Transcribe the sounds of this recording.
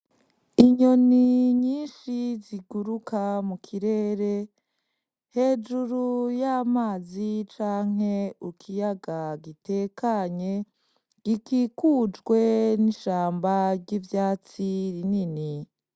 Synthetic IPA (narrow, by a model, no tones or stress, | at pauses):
iɲo̞niɲiːnʃiziɡuɾukʰamukʰiɾe̞ːɾe̞ | he̞ːd͡ʒuɾujamaːzit͡ʃaːŋ̥e̞ukʰijaɡaɡite̞kaɲe̞ | ɡ̥ikikuːd͡ʒɡwe̞niʃaːmbaɾɟivjaːt͡siɾinini